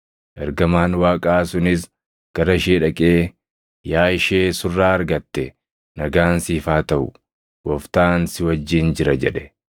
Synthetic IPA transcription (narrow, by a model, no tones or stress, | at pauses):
ʔɛɾɡɐmaːnwaːkʼaːsʊnɪs̬ | ɡ̥ɐɾɐɪʃ̬eːᶑɐkʼeː | jaːɪʃeːsʊrːaːɐɾɡɐt̪ːɛ | nɐɡaːnsiːfaːt̪ɐʔʊ̰ | wɔft̪aːnsɪwɐd͡ʒːɪnd͡ʒɪɾɐd͡ʒɛᶑɛ̥